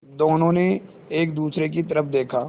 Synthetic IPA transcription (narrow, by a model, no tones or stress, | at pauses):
d̪oːnõne | eːkd̪uːsɾek̬it̪əɾəpʰd̪eːkʰaː